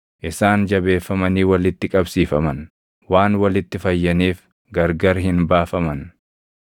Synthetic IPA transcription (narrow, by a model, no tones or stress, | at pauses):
ʔɪsaːnd͡ʒɐbe̞ːfːɐmɐniːwɐlɪt̪ːɪkʼɐbsiːfɐmɐn | waːnwɐlɪt̪ːɪfɐjːɐniːf | ɡɐɾɡɐɾɦɪnbaːfɐmɐn